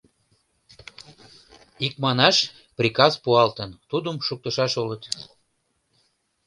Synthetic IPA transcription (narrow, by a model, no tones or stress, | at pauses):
ikmɑnɑʃ | prʲikɑzpuɑlt̪ənt̪ud̪əmʃuk̚t̪əʃɑʃulət̪